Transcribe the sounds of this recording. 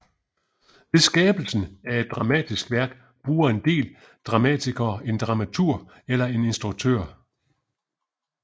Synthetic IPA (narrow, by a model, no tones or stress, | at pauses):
ʋe̝sɡ̥ɛːb̥l̩sn̩æe̝d̥̚ːʁɑ̈mɛ̰ːd̥isɡ̥ʋæɐɡ̥ | b̥ʁuːɐe̝nd̥e̝̰ːl | d̥ʁɑ̈mɛ̰t͡sʰiɡ̥ɐːe̝nd̥ʁɑ̈mæt͡sʰuɐ̰ | elɐe̝ne̝nsd̥ʁuɡ̥̚t͡sʰø̰ɐ̰